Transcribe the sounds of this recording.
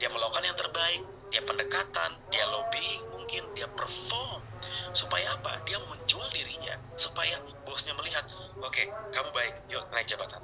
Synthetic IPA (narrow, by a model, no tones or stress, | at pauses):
d̥iaməlokanjaŋt̪ərbaɪk̚ | diapəndəkat̪a̰ndialobimuŋkɪndiapərfɔɾm | supajaːpa̰diaməɲt͡ʃuahdiɾiɲa̰ | supaja | bosɲaməliɦat̪̚ | okekamubaɪk̚joəŋaik̚d͡ʒabat̪an